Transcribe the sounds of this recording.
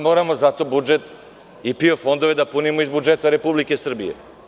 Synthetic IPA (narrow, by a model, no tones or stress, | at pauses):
mo̞ːɾamo̞zat̪o̞bud͡ʒe̞t̪ | ipio̞fo̞nd̪oʋe̞d̪apunimoizbud͡ʒe̞t̪aɾe̞publike̞sr̩bijḛ